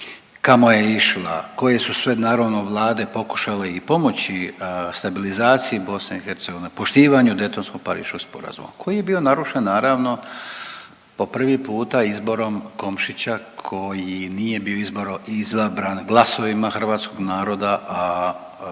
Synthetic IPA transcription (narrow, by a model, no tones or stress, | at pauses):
kamo̞je̞iʃla̰ko̞je̞susʋe̞naːɾoʋnoʋlˠaːd̪e̞po̞ku̥ʃaleipo̞mo̞t͡ɕist̪abilizaːt̪sijibo̞sneixe̞ɾt̪se̞ɡo̞ʋinepo̞ʃt̪iːʋaɲud̪e̞t̪o̞nskoɡ̚paɾḭːʃoɡ̥spo̞̰ɾa̰zṵma̰kʰo̞jije̞bio̞naɾuʃenːaːɾaːʋno̞ | po̞pr̩ʋipuːt̪aizbo̞ɾo̞mko̞mʃit͡ɕakʰo̞jinije̞bio̞izbo̞ɾoizʋabɾanɡlˠaso̞ʋimaxr̩ʋaːt̪skoɡnaːɾo̞d̪aʔa